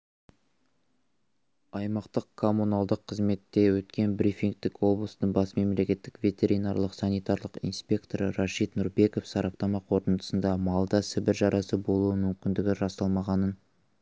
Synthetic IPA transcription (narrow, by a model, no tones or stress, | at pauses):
ɑjmɑqt̪əqkʰo̞munɑlˠd̪əqʰːəzme̞t̪ːe̞wɵt̪kʲe̞nbɾifiŋk̚t̪ɪkwo̞blˠəsənəɴbɑsme̞mle̞kʲe̞t̪ːɪkvʲe̞t̪ʲe̞ɾʲinɑrlˠəqsɑnijt̪ɑɾlˠəqḭnspʲe̞kt̪o̞ɾəɾɑʃit̪nʊɾbe̞ko̞fsɑɾɑp̚t̪ɑmɑqʰo̞ɾt̪ənt̪ə̥sənd̪ɑmɑlˠd̪ɑsɪbɪɾʒɑɾʔɑsəbo̞lˠuəmʏmkʲɪnd̪ɪɡʲɪɾɑst̪ɑlˠmɑʁɑnən